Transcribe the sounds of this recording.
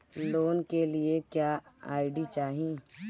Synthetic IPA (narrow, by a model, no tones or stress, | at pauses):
loːnkelɪekjaːa̰ːɪɖit͡ʃaːɦĩ